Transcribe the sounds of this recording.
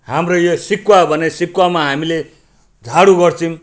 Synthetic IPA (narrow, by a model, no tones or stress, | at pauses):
ɦamrojosikwabʱʌnesikwamaɦamile | d͡zʱaɽuɡʌrt͡sʰim